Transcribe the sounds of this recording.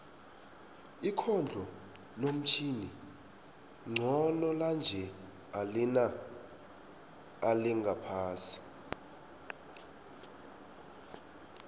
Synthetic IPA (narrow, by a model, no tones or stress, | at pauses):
ikʰɔnd͡ɮʱɔ | lom̩t͡ʃʰini | ŋ͡ǀʱɔnɔland͡ʒʱɛ | alina | liŋɡʱapʰaːsi̥